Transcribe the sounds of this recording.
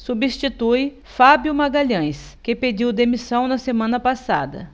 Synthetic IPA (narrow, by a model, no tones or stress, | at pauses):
subist͡ʃit̪uj | fabjʊmaɡaʎɐ̃j̃s | kɪped͡ʒiwd̪emisɐ̃w̃nɐsemɐ̃nɐpasa̰d̪ɐ̰